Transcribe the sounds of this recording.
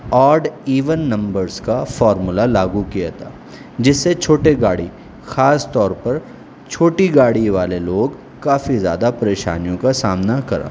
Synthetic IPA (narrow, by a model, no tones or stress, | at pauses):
ɔːɾɖiːʋənːɐ̃mbəɾzkafɔːɾmʊlalaːɡukijat̪ʰa̰ː | d͡ʒɪsːet͡ʃʰoːʈeɡaːɽi | xaːst̪ɔːɾpɐɾ | t͡ʃʰoːʈiɡaːɽiʋaːleloːɡ | kaːfizja̰ːd̪apɐɾeːʃa̰ːnijõkasaːmnakɐɾa̰ː